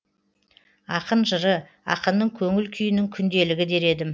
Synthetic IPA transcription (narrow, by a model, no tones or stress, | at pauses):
ɑqənʒəɾə | ɑ̰qənd̪əŋkʲʰɵŋɪlkʲʰʏjɪnɪŋkʲʰʏnd̪e̞lɪɡʲɪd̪e̞ɾe̞d̪ɪm